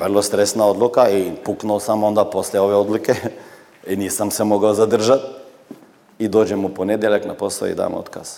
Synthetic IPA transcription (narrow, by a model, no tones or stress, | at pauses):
ʋrlˠost̪ɾest̪naod̪lukaipuknuːsamond̪aposleoʋeod̪luke | iniːsamsemoɡaozad̪r̩ʒat̪̚ | id̪oːd͡ʒemuponed̪jeʎaknaposla̰ḭd̪a̰ːmot̪ka̰s